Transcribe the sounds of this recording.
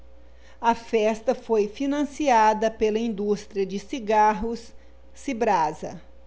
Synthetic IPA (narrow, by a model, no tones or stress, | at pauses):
ɐfɛst̪ɐfojfinɐ̃siad̪ɐpelɐĩnd̪ust̪ɾiɐd͡ʒɪsiɡaɦʊsː | ibɾazɐ̰